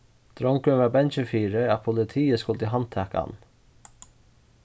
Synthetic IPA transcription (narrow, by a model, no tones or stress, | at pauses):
d̪̥ɾɔŋkənʋɑːbɛnt͡ʃəfiːɾəɑpʰʊlɪt̪ʰiːəskʊlt̪əɦɑnt̪ʰæːkɑ̰n